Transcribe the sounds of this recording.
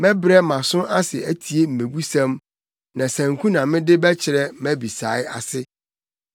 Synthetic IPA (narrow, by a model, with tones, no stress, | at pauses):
mɛ̃˦bɾɛ˦mã˨sʊ̃˦ʔa˦sɪ˨æ˦tʰi˨e˦m̩˨mẽ˨bu˦sæ̃˦m | nã˨sæ̃˨ŋkʰũ˦nã˨mɪ̃˦dɪ˦bɛ˦t͡ɕʰɪ˨ɾɛ˦mæ̃˦bi˨sa˨˦ɪ˦a˨sɪ˦